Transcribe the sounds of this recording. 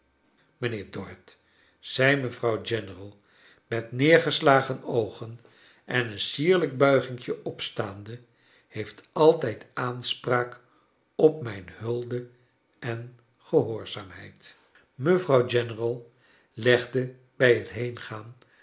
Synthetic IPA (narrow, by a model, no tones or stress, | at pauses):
mənɪːɹdɔɹt | z̥ɛjməvrɑwd͡ʒɛnərəlˠ | mɛtnɪːɹχəslaːχənowχən | ʔɛnənsiːɹləɡ̚bœɥχɪŋkjəʔɔpstaːndə | hejftɑlˠtɛjtaːnspraːk | ɔpmɛjnhɵlˠdə | ɛn | χəɦoːɹz̥aːmɦɛjt | məvrɑwd͡ʒɛnərɑlˠ | lɛχdə | bɛjɦətɦejnχaːn